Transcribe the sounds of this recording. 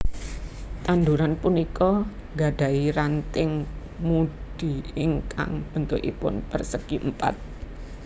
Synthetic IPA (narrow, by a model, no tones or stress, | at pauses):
t̪and̪uɾanpunikɔ | ɡa̤ɖ̥a̤iɾant̪ɪŋ | muɖ̥i̤ɪŋka̰ŋb̥ə̤nt̪ʊʔḭpʊ̰npərsəkiəmpa̰t̪̚